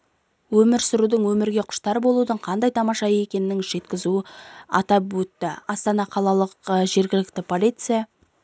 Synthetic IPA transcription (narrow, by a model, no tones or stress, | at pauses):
wɵmɪɾsʊɾud̪əɴwɵmɪɾɡʲe̞qʰʊ̥ʃt̪ɑɾəbo̞lˠud̪əɴqʰɑnd̪ɑjt̪ʰɑmɑʃɑe̞kʲe̞nɪːɪŋʒe̞t̪kʲɪzuɪɑ̰t̪ɑpwɵt̪ːɪɑst̪ɑnɑqʰɑlˠɑlˠəqʒe̞ɾɡʲɪlɪk̚t̪ɪpʰolʲijt̪sɨja